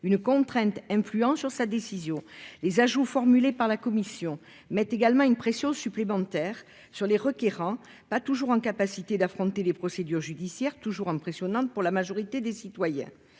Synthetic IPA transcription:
ynkɔ̃t̪χɛ̃t̪ɛ̃flyɑ̃syʁsad̪esizjɔ̃lezaʒufɔʁmylepaʁlakɔmisjɔ̃ | mɛt̪eɡalmɑ̃ynəpχesjɔ̃syplemɑ̃t̪ɛʁ | syʁleʁəkeʁɑ̃ | pat̪uʒuʁɑ̃kapasit̪ed̪afχɔ̃t̪elepχɔsed̪yʁʒyd̪isjɛʁt̪uʒuʁɛ̃pχesjɔnɑ̃t̪̚puʁlamaʒɔʁit̪ed̪esit̪wajɛ̰̃

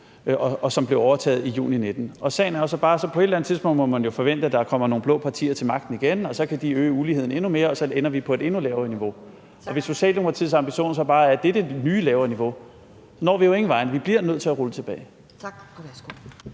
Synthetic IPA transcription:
ɒɒ̽sɒ̽mb̥le̝ʊɒʊɐt͡sʰɛ̰ːð̩ˠijṵːnined̥n̩ɒ̽sɛ̰ɪn̩æɐjosɒ̽b̥ɑ̈ːsɒ̽pʰɒ̽e̝ɾlænð̩ˠt͡siðˠspʰɔ̽n̰̥mɔ̽mænjo̝fɒ̽ʋen̰d̥əæd̥ɑkʰɒ̽m̰ɐno̝ːŋn̩blɔ̽ːpʰɑ̈t͡sʰḭːɐt͡sʰe̝lmɑ̈ɡ̥d̥n̩iɡ̥enɒ̽sɒ̽kʰæd̥iøːəuliːe̝ð̞̰ˠn̩e̝nume̝ːɐɒ̽sɒ̽enɐʋipʰɒ̽e̝d̥e̝nulɛːʊɐːniʋo̝ | ɒ̽ʋe̝so̝ɕɛ̰ːld̥emoɡʰʁɑt͡sʰið̰ˠsɑ̈mb̥iɕo̝̰ːnsɒ̽b̥ɑ̈ːæɐd̥ed̥ənyːlɛːʊɐniʋo̝ | sɒnɒ̰ːʋijo̝e̝ŋn̩ʋɑ̈ɪnəʋib̥liɐnøð̰ˠt͡sʰe̝æʁulət͡sʰe̝b̥ɛːɪ

